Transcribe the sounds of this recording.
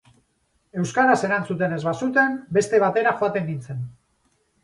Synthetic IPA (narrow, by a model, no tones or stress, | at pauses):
e̞wskaɾase̞ɾant͡sut̪e̞ne̞zβasut̪e̞mbe̞st̪e̞β̞at̪e̞ɾaxoat̪e̞ŋɡint͡se̞n